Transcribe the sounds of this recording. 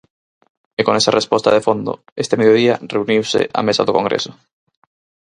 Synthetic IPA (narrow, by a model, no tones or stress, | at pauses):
ekoŋesarespɔst̪aðefond̪ʊ̰ | est̪emeðjoðiɐreuniwsɪ̰ʔa̰mesa̰ðʊkoŋɡɾḛsʊ̥